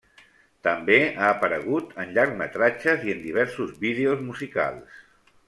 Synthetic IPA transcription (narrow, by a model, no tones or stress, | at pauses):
t̪əmbeaːpəɾəɣ̞ut̪ənʎaɾɡmət̪ɾat͡ʃəziənd̪iβ̞ɛɾsuzβið̞eozmuzika̰lˠs